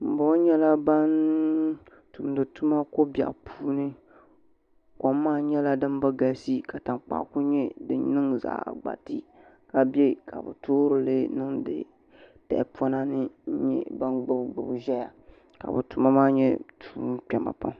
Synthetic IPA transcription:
m̩˨bɔ˦ɲɛ˦la˦ba˦n | tu˨m˨dɨ˨tu˦ma˦ko˦bja̰˨ʔpʰuː˦nɨ˦ | kɔ˨mː˦aː˦˨ɲɛ˦la˦dɨ˦m˦ba˦ɡa˨˦si˦ka˨ta˨ŋk͡pa̰˦ku˦ɲɛ˦dɨ˨nɨ˦ŋza̰ː˨ɡ͡ba̰˨tɨ˦ | ka˨bɛ˦kʰa̰˨bɨ̰˨toː˦ɾɨ˨lɨ˦nɨ˦ŋdɨ̰˨ | tɛ̰˨ʔpɔ˦na˦nɨ˦ɲɛ̰˦ba˦nɡ͡bɨ˦˨bɡ͡bɨ˨bʒɛ˦ja˨ | ka̰˨bɨ̰˨tu˨ma˦maː˦ɲɛ̰˦tʰuː˨˦k͡pɛ˨ma̰˨pa̰˦m

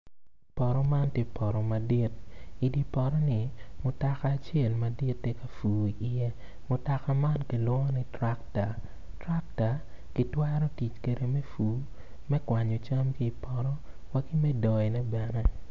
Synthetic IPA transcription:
pɔ˨ɾɔ˦ma˦ntje˦pʰɔ˨ɾɔ˨ma˨di˦ti˨di˨pɔ˨ɾɔ˦ni˨mʊ˨ta˨kaː˨t͡ʃjɛ˦˨lma˨di˦tːe˦ka˨fuː˨i˨ʔi˨je˦ | mʊ˨ta˨ka˦ma˦nki˨lwɔ˦ni˦tɾa˦kta˨ | tɾa˦k̚ta˨ | ki˨twɛ˦ɾɔ˦ti˨t͡ʃke˨ɾe˨me˦fuː˨˦ | mɛ˦kwa˨ɲɔ˨t͡ʃa˦mki˦˨pɔ˨ɾɔ˦ | wa˦ki˦mɛ˦dɔ˨ɛ˨nɛ˦bɛ˨nɛ˦

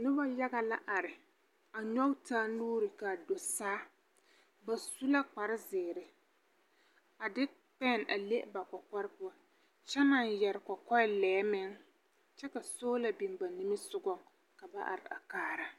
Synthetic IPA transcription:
nɪ˦ba˦ja˦ɡa˨la˦ʔa˨ɾɪ˨ | a˨ɲɔ˦wtaː˦nuː˦ɾɪ˨ka˨do˨saː˦ | ba˨su˦la˦k͡pa˨ɾɪ˦zɪː˨ɾɪ˨ | a˨dɪ˦ | pɛ˦˨nʔa˨le˦ʔba˨kɔ˨kɔ˦ɾɪ˦pʊ˦a˦ | t͡ʃɛ˦na˨njɛ˨ɾɪ˨kɔ˨kɔ˦lɛː˨˦mɪ˦ŋ | t͡ʃɛ˦ka˨soː˦la˨bi˨ŋba˨ni˦mɪ˦sʊ˦ɡɔ˦ŋ | ka˨ba˦ʔa̰˨ɾɪ˨a̰˨kaː˦ɾa˨

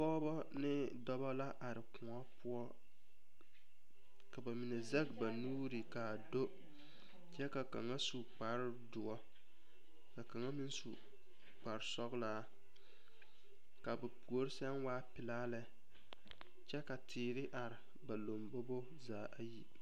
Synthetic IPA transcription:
bɔː˦bɔ˦ | nɪ˦dɔ˦ba˦la˦ʔa˨ɾɪ˨kʊ˨ŋɔ˦pʊ˦ɔ˦ | ka˨ba˨mi˨nɛ˨za˦ɡba˨nuː˦ɾɪ˨ka˨do˦ | t͡ʃɛ˦ka˨ka̰˨ŋa˦su˨k͡pa˨ɾɪ˦dʊ˨ɔ˦ | ka˨ka˨ŋa˦mi˦nsu˨ | k͡pa˨ɾɪ˨sɔ˦ɣlaː˦ | ka˨ba˨pu˨o˦ɾɪ˦sɛ˦nwaː˦pɪ˨laː˦lɛ˦ | t͡ʃɛ˦ka˨tʰɪː˨ɾɪ˦ʔa˨ɾɪ˨ | ba˨lo˨mbo˦bo˦ | zaː˨ʔa˦ji˦

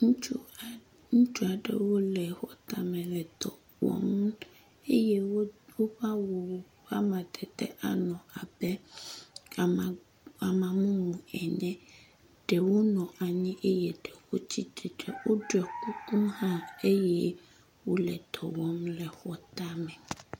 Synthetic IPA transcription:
ŋũ˦t͡ʃu˦˨ | ŋũ˦t͡ʃu˦a˨ɖɛ̰˦wo˦lɛ˨xɔ˦t̪a˦mɛ̃˨lɛ˨t̪ɔ̰˨ | wɔ̰˦m | e˦jɛ˦wo˦wo˦ɸa˦wo˨˦ | ɸa˦mã˨d̪ɛ˨t̪ɛ̰˦ʔa˨nɔ̃˨a˨bɛ˦˨ | a˨mã˨mũ˦mũ˨ɛ˨nɛ̃˦ | ɖ̥ɛ˨wo˦nɔ̃˨a˨ɲĩ˦ʔe˦jɛ˨ɖɛ˨xo˦t͡ɕi˦t̪e˨ɖɛ˨wo˦ɖo˨ɛ˨ku˦ku˦mhã˦e˦jɛ˦ | wo˦lɛ̰˨t̪ɔ˨wɔ˦mlɛ˨xɔ˨t̪a˦mɛ̃˨

